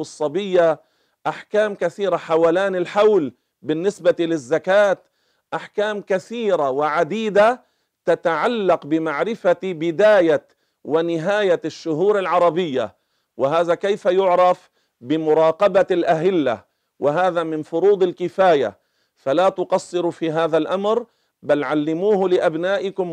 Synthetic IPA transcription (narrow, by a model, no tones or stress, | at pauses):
sˤːɑbɪjːa | ʔaħkaːmkaθiːɾaħawaːlaːnɪlħawl | bɪnːɪsbat̪ilɪzːakaːt̪ | ʔaħkaːmkaθiːɾawɪʕad̪iːd̪a | t̪at̪aʕalːɑqbɪmaʕɾɪfabɪd̪aːja | wɪnɪɦaːjaʃːʊɦuːɾɪlʕɑɾˤɑbɪjːa̰ | wɪɦaːðakejfajʊʕɾˤɑf | bɪmʊɾˤɑːqɑbalʔaɦɪlːa̰ | wɪɦaːðamɪnfʊɾuːd̪ˤɪlkɪfaːja̰ | falaːt̪ʊqɑsˤːɨɾufiːɦaːðalʔamɾ | balʕalːɪmuːhlɪʔabnaːʔɪkʊm